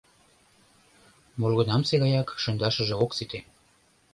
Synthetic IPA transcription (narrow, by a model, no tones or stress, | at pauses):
molɣɤ̆nɑmseɣɑjɑkʃɤ̆nd̪ɑʃə̆ʒĕoksit̪e